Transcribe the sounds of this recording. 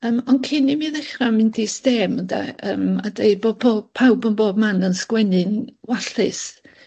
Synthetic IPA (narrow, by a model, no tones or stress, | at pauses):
əːmɔnkʰɪnimiðɛχramɪndistɛːməda̰əːmadejboːpʰoːpʰawbənboːb̚manənskwɛnɨnwaɬɪs